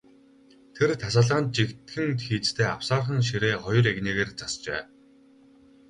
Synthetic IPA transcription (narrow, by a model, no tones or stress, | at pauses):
t̪ʰert̪ʰasaːɮʁaːn̚t͡ɕikt̪ɡɘ̆nt̪xiːt͡st̪ʰeːa̰w̥saːrχə̆ŋʃ̬iɾeːχɔjɞ̆reɣneːɣeːrt͡sast͡ɕḛː